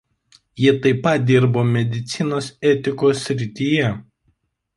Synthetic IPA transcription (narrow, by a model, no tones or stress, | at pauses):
jiɛt̪ɐɪpɐt̪̚d̪ʲɪɾboːmʲɛd̪ʲɪt̪sʲɪnoːsɛt̪ʲɪkoːsʲːɾʲɪt̪ʲiːjɛ